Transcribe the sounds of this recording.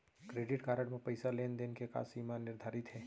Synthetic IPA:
kɾeːɖɪʈkaːɾəɽmẽpɐɪsaleːnd̪enkeka̰ːsiːmanɪɾd̪ʱaːɾɪt̪ɦɛː

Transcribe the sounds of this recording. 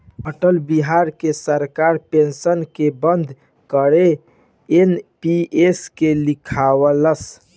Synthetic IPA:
əʈəlbiɦaɾkesəɾkaɾpensənkebənd̪ʱ | kəɾe | enpieskelikʰawələs

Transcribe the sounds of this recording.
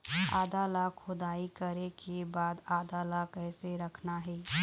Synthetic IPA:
a̰ːd̪alakʰʊd̪aːikəɾekebaːd̪aːd̪alakɛːseɾɐkʰnaɦɛː

